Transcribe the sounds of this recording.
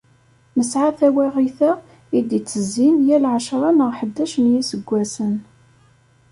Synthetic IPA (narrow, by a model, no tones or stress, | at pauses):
məsʕaθæwæʁiθæ | id̪it͡sːəzːinjælʕʃɾˤɑnəʁħəd̪ːæʃənjisəɡʷːæsən